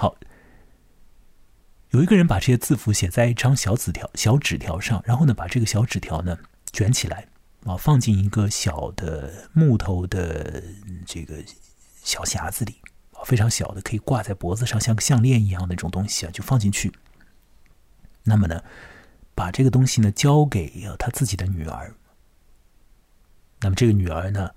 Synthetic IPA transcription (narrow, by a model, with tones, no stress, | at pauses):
xɑ˨˩˦ʊ | jo˨˩ʊi˧˥ɡə˧ɻə˧˥npa˨˩ʈ͡ʂɤ˥˩ɕt͡sɹ̩˥˩fu˧˥ɕjɛ˨˩t͡sa˥˧ɪi˥˩ʈ͡ʂʰɑ˥ŋɕjɑ˧˥ʊt͡sɹ̩˨˩t̪ʰjɑ˧˥ʊɕjɑ˧˥ʊʈ͡ʂɻ̩˨˩t̪ʰjɑ˧˥ʊʂɑ˥˩ŋɻʔa˧˥nxo˥˩ʊnə˩pa˨˩ʈ͡ʂɤ˥˩ɡə˩ɕjɑ˧˥ʊʈ͡ʂɻ̩˨˩t̪ʰjɑ˧˥ʊnə˧ | t͡ɕɥɛ˧˥nt͡ɕʰi˨˩lʔa̰˧˥ɪ | ɐ˧˩fɑ˥˧ŋt͡ɕi˥˩ni˧˥ɡə˧ɕjɑ˨˩ʊd̪̥ə˦mu˥˩t̪ʰo˧˥ʊd̪ə˧ | ʈ͡ʂɤ˥˩ɡə˩ | ɕjɑ˨˩ʊɕja̰˧˥d͡zɹ̩˧li˨˩˦ | ɐ˧˩fe˥ɪʈ͡ʂʰɑ˧˥ŋɕjɑ˨˩ʊd̪ə˦kʰi˨˩kwa˥˧t͡sa˥˩ɪpwɔ˧˥d͡zɹ̩˧ʂɑ˥˧ŋɕjɕjɑ˥˧ŋljɛ˥˩ni˧˥jɑ˥˩ŋd̪ə˩i˥˩ʈ͡ʂʊ˨˩ŋt̪ʊ˥ŋɕi̥˨ɐ̰˨˩t͡ɕjo˥˧ʊfɑ˥˧ŋt͡ɕi˥˧nt͡ɕʰy˥˩ | na˥˩mə˩nə˩ | pa˨˩ʈ͡ʂɤ˥˩ɡə˩t̪ʊ˥ŋɕi˨nə˩t͡ɕjɑ˥ʊke˨˩ɪə˧˩t̪ʰa˥t͡sɹ̩˥˩t͡ɕi˨˩d̪ə˦ny˨˩ə̰˞˧˥ | na˥˩mə˩ʈ͡ʂɤ˥˩ɡə˩ny˨˩ə˞˧˥nə˧